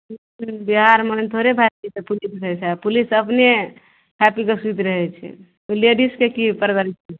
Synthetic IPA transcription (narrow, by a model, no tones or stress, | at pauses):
biɦaɾmənt̪ʰoɾebʱaɾit̪epulisɾəɦɛt͡ʃʰapulisəpne | ɦɛpikesit̪ɾəɦɛt͡ʃʰɛ̰ | leɖiskekipəɾbəɾit͡ʃɛ